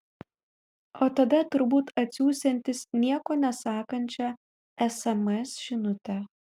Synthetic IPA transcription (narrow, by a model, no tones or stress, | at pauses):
oːt̪ɐd̪ɐt̪ʊɾbuːt̪ɐt̪ʲsʲuːsʲɛnʲt̪ʲɪsnʲiɛkoːnʲɛsɑːkɐnʲt͡ʃʲo | æsɐmɐsʒʲɪnʊt̪ʲɛ